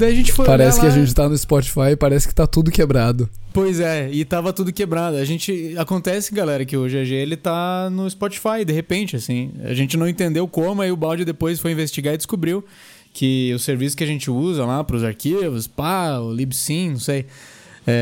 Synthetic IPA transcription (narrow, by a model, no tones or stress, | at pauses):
d̪aiaʒẽnt͡ʃɪ̥fojpaɾɛsɪkɪaʒẽnt͡ʃɪ̥t̪anʊɪspɔt͡ʃi̥fajɪpaɾɛsɪkɪ̥t̪at̪ud̪ʊkebɾad̪ʊpojzɛɪt̪avɐt̪ud̪ʊkebɾad̪ʊaʒẽnt͡ʃɪakõnt̪ɛsɪɡalɛɾɐk̬ɪʊʒeʒeelɪt̪anʊɪspɔt͡ʃi̥fajd̪eɦepẽnt͡ʃɪasĩa̰ʒẽnt͡ʃɪnɐ̃w̃ẽnt̪ẽnd̪ewkõmʊaiʊbawd͡ʒɪd̪epojsfojĩvest͡ʃiɡaɾɪdd͡ʒɪskubɾiw | kʰɪʊseɾvisʊ̥kɪaʒẽnt͡ʃɪuzɐlapɾʊzaɾkivʊspallibsĩnɐ̃w̃sej | ɛ